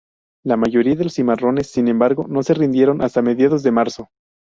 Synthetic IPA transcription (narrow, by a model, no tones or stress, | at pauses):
lamaʝo̞ɾiaðe̞lo̞simaro̞ne̞sːinẽ̞mbaɾɣo̞no̞se̞rind̪je̞ɾo̞nʔast̪ame̞ðjaðo̞zðe̞maɾso̞